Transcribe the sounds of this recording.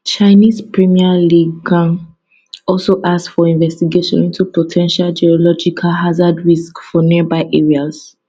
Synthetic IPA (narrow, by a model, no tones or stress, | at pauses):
t͡ʃaɪnizpɹimialiɡɡãŋ | ɔlsoʔaksfɔĩnvɛstiɡeʃɔ̰̃nĩntupotʰɛ̃nʃald͡ʒiɔlɔd͡ʒikʰalɦazadɹiskfɔnibaɪʔɛɹiaz